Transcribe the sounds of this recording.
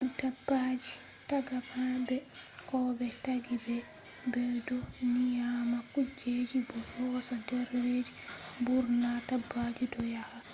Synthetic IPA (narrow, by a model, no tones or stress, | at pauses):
dabːad͡ʒi | taɡababɛkɔbɛtaɡibɛ | bɛdɔnijamakud͡ʒed͡ʒibɔhɔsadɛɾːed͡ʒibuɾnatabːad͡ʒidɔjaha